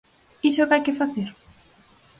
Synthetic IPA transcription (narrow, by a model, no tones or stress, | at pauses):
isokajkɪfaθeɾ